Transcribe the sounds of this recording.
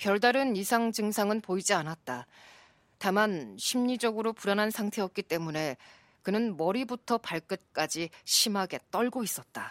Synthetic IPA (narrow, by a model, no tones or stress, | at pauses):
pjʌɭdaɾɯnisʰaŋd͡ʑɯŋsʰaŋɯnpoid͡ʑianat̚t͈a | tamanɕʰimɲid͡ʑʌɡɯɾopuɾanɦansʰaŋtʰe̞ʌt̚k͈it͈e̞mune̞ | kɯnɯnmʌɾibutʰʌpaɭk͈ɯt̚k͈ad͡ʑiɕʰimɦaɡe̞t͈ʌɭɡois͈ʌt̚t͈a